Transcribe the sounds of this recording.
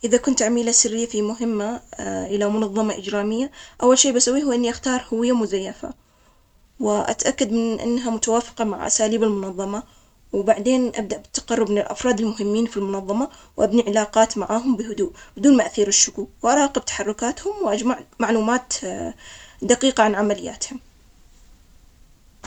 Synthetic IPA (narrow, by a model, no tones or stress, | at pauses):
ʔɪðakʊnt̪ʕamiːlasɪrːɪjːafimʊɦɪmːaʔɪlamʊnɑðˤːɑmaʔɪd͡ʒɾaːmɪjːaʔawːalʃeːbasawːiːhuːʔɪnːiʔaxt̪ɑːɾˤhʊwɪjːamʊzajːafa̰ | wɪʔa̰t̪ʔakːad̪mɪnʔɪ̰nːɦamʊt̪awaːfɪ̥qɑmaʕʔa̰saːliːbɪlmʊnɑðˤːɑma | wbaʕd̪eːnʔa̰b̚d̪aʔbɪt̪ːḁqɑrːɪbmɪnɪlʔɑ̰fɾˤɑːd̪ɪlmʊɦɪmːiːnfilmʊnɑðˤːɑmɑwʔabniʕɪlaːqɑːt̪maʕaːɦʊmbɪhʊd̪uːʔbɪd̪uːnmaʔθiːɾɪʃːʊkuːwʔɑɾˤɑːqɨb̚t̪ḁħɑrˤːʊkaːt̪hʊmwʔad͡ʒmaʕmaʕluːmaːt̪ | d̪aqiːqaʕanʕamalɪjːa̰ːt̪hʊm